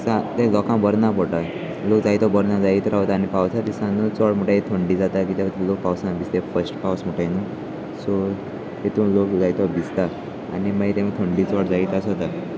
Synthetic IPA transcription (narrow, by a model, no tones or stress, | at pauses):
sãt̪ɛlɔkãbəɾnapɔʈa | lokd͡zait̪ʋabɔɾnãd͡zait̪ɾaɦot̪aːnipawt͡sʰat̪isãnut͡sɔɽm̤əʈait̪ʰoɳɖid͡zat̪akit̪at̪lok̚pawsãbʱist̪efəsʈpawsm̤əʈajnu | sɔ | ɦet̪ũlokd͡zajt̪ʋabit͡st̪a | a̰nimait̪ɛ̃mit̪ʰoɳɖit͡sɔɽd͡zait̪asɦɔt̪a